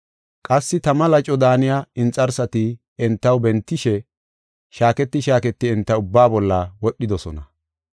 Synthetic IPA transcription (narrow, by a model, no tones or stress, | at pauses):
kʼɐsːɪt̪ɐmɐlɐt͡ʃʼɔd̪aːnɪjaɪnt͡sʼɐɾsɐt̪ɪ | ɛnt̪ːɐwbɛnt̪ːɪʃɛ | ʃaːkɛt̪ːɪʃaːkɛt̪ːɪɛnt̪ːɐʊbːaːbɔlːɐwɔɗːɪd̪ɔsɔ̰nɐ